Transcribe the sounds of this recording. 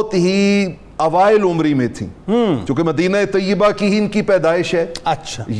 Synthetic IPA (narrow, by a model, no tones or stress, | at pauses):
t̪ɦi | ɐʋaːɪlʊmɾimẽt̪ʰḭ̃ːt͡ʃõːkemɐd̪iːnaet̪ɐjːɪbakiɦinkipɛːd̪aːɪʃɦɛːɐtːʃʰaj